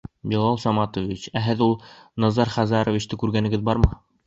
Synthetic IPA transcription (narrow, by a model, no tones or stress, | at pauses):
bʲilˠɑlˠsɑmɑt̪ovʲit͡ɕæɦɘðulˠnɑzɑɾχæzɑɾŏvʲit͡ɕt̪ɘkʉɾɡænɘ̆ɡɘðbɑɾmɤ